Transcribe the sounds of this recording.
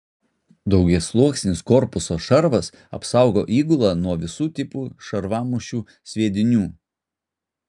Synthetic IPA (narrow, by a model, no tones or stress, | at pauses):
d̪ɒʊɡʲɛslˠuɔksʲnʲɪskɔɾpʊsoːʃɐɾʋɐs | ɐ̰psɑʊɡo̰ːʔiːɡʊlˠɑːnuɔʋʲɪsuːt̪ʲɪpuːʃɐɾʋɑːmʊʃʲuː | sʲʋʲiɛd̪ʲɪnʲuː